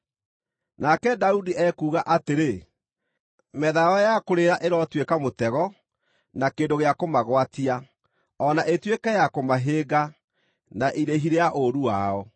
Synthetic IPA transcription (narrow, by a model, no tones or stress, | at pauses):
nakɛdaudiʔɛkuːɣaʔateɾe | mɛðaɔjakoɾeɾaʔeɾɔtwekamotɛɣɔ | nakeːndoɣeakomaɣwatia | ɔnaʔetwekajakomaɦeːɡa | naʔiɾeɦiɾeaʔoɾuwaɔ